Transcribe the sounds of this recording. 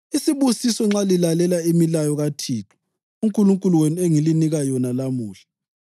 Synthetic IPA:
isiβusisɔŋ͡ǁalilalɛlaimilajɔɣatʰiːtʰu̥ | uŋkʼuluŋkʼuluwenueŋiliniɣajɔnalamuːɬḁ

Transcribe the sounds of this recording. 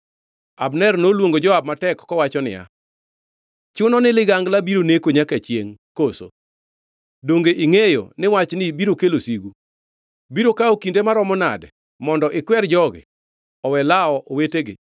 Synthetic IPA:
abnɛrnolwoŋɡod͡ʒɔab̚matɛkːɔwat͡ʃɔnɪ̰ja̰ | t͡ʃʊnɔnɪlɪɡaŋɡlabiɾonekoɲakat͡ʃjeŋkoso̰ | doŋɡeʔiŋejo̰nɪwat͡ʃnɪbiɾokelosiɡu | biɾokaokindemaɾɔmɔna̰dɛ | mɔndɔʔɪkwɛrd͡ʒɔɡɪ̰ | ɔwɛlaɔʔoweteɡɪ̰

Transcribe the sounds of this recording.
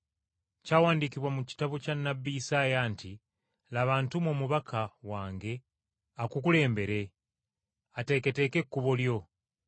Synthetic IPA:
cawaːndikiβwamuci̥taβocanːabːiːsaːjaːnti | laβaːntumoːmuβakʰawaːŋɡe̞ | akukule̞ːmbe̞ɾe̞ | ate̞ːke̞te̞ke̞kːuβoljo̞

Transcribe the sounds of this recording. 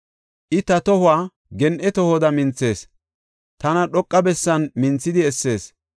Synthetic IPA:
ʔɪt̪ɐt̪ɔhʊaː | ɡɛnʔɛt̪ɔhɔd̪ɐmɪnt͡sːe̞ːs | t̪ɐnɐɗɔkʼːɐbɛsːɐnmɪnt͡sːɪd̪ɪɛsːe̞ːs

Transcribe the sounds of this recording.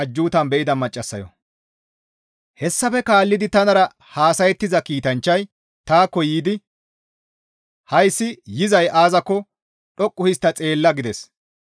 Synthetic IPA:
ɐd͡ʒːuːt̪ɐnbɛʔɪd̪ɐmɐt͡ʃʼːɐsːɐ̰jɔ̰ | hɛsːɐfɛkaːlːɪd̪ɪt̪ɐnɐɾɐ | haːsɐjɛt̪ːɪzɐkiːt̪ɐnt͡ʃːɐj | t̪aːkːɔjiːd̪ɪ | hɐjsːɪjɪzɐjʔaːzɐkːɔ | ɗɔkʼːʊhɪst̪ːɐt͡sʼe̞ːlːɐɡɪd̪ɛs

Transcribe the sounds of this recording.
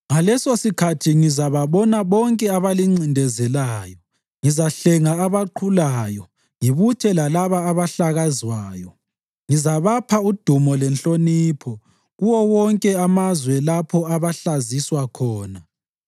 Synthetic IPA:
ŋalɛsosikʰatʰiŋizaβaβɔnaβɔŋkʼɛaβaliŋ͡ǀindʱɛzɛlaːjɔ | ŋizaɬɛŋaːβaǃʰulaːjɔ | ŋiβutʰɛlalaβaːβaɬaɣazwaːjɔ | ŋizaβapʰaud̥ʱumɔlɛnɬʼoniːpʰɔ | ɣuwɔwɔŋkʼɛamazwɛlapʰɔaβaɬaziswakʰɔːna

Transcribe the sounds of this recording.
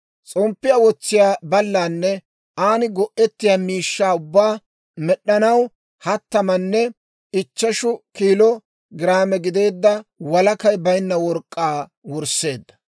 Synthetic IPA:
t͡sʼɔmpːɪjɐwɔt͡sːɪjaːbɐlːaːnːɛ | aːnɪɡɔʔɛt̪ːɪjaːmiːʃːaːʊbːaː | mɛɗːɐnɐw | hɐt̪ːɐmɐnːɛ | ɪt͡ʃːɐʃʊkiːlɔ | ɡɪɾaːmɛɡɪd̪e̞ːd̪ːɐwɐlɐkɐjbɐjnːɐwɔɾkʼːaː | wɔɾsːe̞ːd̪ːɐ̥

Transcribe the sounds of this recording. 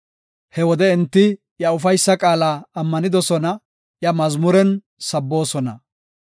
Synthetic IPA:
hɛwɔd̪ɛɛnt̪ːɪ | jɐʊfɐjsːɐkʼaːlaːmːɐnɪd̪ɔsɔnɐ | jɐmɐzmʊɾɛn | sɐbːo̞ːsɔnɐ

